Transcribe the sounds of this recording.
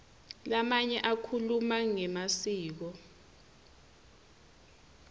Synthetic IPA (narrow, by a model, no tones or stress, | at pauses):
lamaɲɛʔakʰulumaŋɛmasiːk̬ɔ